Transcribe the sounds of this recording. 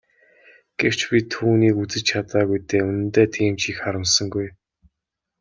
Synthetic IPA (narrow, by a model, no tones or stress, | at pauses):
ɡ̥ew̥t͡ɕpʲit̪ʰuːniːkut͡sɘ̆t͡ɕt͡ɕʰat̪aːɣujt̪eːunɘ̆nt̪eːt̪ʰiːmt͡ɕixχaɾə̆msə̆ŋɡuj